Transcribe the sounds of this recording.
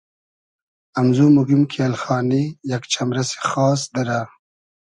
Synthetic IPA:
amzumuɡimkʰalxɑːnijakt͡ʃʰamɾɐse̥xɑːsd̪ɐɾa

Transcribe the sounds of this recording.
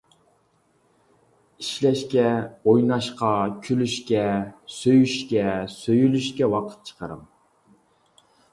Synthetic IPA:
iʃlɛʃkʲɛojnɑʃqʰɑkʲʰylyʃkʲɛsøjyʃkʲɛsøjylyʃkʲɛwɑqʰə̥t̪̚t͡ʃʰə̥qʰə̰ɾɨ̰m

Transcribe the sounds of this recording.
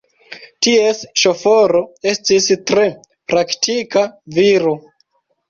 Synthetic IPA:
tie̞sʃo̞fo̞ɾo̞e̞stistɾe̞ | pɾaktikaviɾu

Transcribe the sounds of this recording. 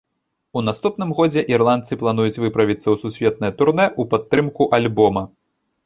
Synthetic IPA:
un̪ast̪upnɨmɣɔd͡zʲɛʔirlˠant̪sɨplˠanujut͡sʲvɨpɾɐvʲit̪sɐwsusʲvʲɛt̪̚nɐjɐt̪urnɛʔupat̪ːɾɨmkuʔalʲbɔmɐ

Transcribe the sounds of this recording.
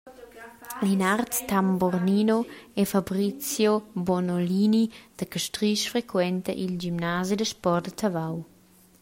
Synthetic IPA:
linart̪ːamborninoɛfabɾit͡sjobonolinid̪̥əkəʃtɾiʃfɾekwɛnt̪əʔild͡ʒimnazid̪əʃpɔrd̪ət̪ʰavaw

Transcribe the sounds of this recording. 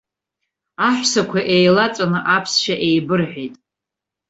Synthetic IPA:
aħʷsakʷʰaʔejlat͡sʼanɨʔapʰsʃaʔejbɨrħʷᶣejtʼ

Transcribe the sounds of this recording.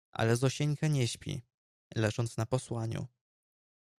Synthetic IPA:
ʔa̰lɛzɔɕɛɲʲkɛɲɛɕpʲḭ | lɛʐɔnt̪snapɔswaɲṵ

